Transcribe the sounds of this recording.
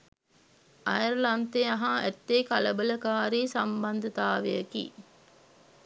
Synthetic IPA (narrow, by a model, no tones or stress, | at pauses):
ɐjəɾlɐnt̪eɐɦaʔɛt̪ːeːkɐləbələkaːɾiːsɐmbɐnd̪ʱət̪aːʋejəkḭː